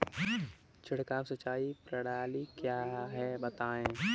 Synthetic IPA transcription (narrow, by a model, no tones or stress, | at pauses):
t͡ʃʰɪɽ̤kaːmsət͡ʃaːipɾɐɽaːlikjaːɦɛbət̪aːẽː